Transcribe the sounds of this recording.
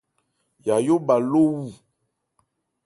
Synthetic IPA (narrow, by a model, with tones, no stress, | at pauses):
ja˨jo˦ba˨lo˦wu˦˨